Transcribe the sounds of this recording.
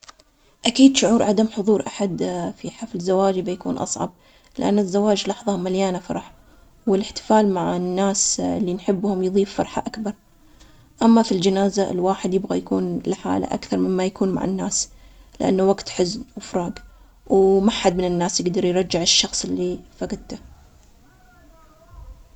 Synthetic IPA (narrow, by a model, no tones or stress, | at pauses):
ʔakiːd̪ʃʊʕuːɾʕad̪amħʊðˤuːɾʔaħad̪fiħaflzːawaːd͡ʒbajakṵːnʔɑ̰sˤʕɑ̰b̚ | lɪʔa̰nːɪzːawaːd͡ʒlɑħðˤɑmaljaːnafɑ̰ɾˤɑħ | wɪlɪħt̪ɪ̥faːlmaʕanːaːsɪlːinħɪbːhʊmjðˤiːfːɑɾˤħa̰ʔakbɑɾˤ | ʔamːafild͡ʒanaːzaɪ̰lwaːħɪd̪jɪbɣajakuːnlħa̰ːla̰ʔa̰kθɑɾˤmɪmːajakuːnma̰ʕa̰nːaːs | lɪ̰ʔa̰nːawaɡt̪ħɪznwɪfɾˤɑːɡ | wmaħad̪̚mɪnɪnːaːsjɪɡd̪ɑɾˤjɾˤɑd͡ʒːɪʕɪʃːɑxsˤɪlːifaɡɪd̪̚t̪a